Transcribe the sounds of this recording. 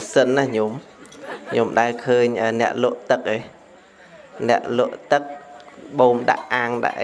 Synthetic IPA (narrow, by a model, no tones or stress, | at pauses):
sənːahɲom | ɲomɗaɛlkʰəːɲʔəːnɛ̆əʔlʊ̆əʔt̪ɨk̚ʔəː | nɛ̆əʔlʊəʔt̪ɨk̚ɓoːmɗa̰ʔːaːŋɗa̰ʔ